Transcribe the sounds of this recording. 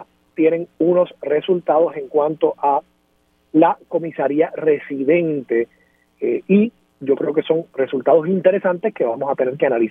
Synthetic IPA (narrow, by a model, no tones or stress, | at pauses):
t̪je̞ne̞ŋuno̞sre̞sult̪að̞o̞se̞ŋkwãnt̪o̞ʔa | lako̞misaɾiare̞siðẽ̞nt̪e̞ | i | ɟ͡ʝo̞kɾe̞o̞ke̞so̞ŋre̞sult̪aðo̞sint̪e̞ɾe̞sãnt̪e̞ske̞βamo̞sat̪e̞ne̞ɾkeanalis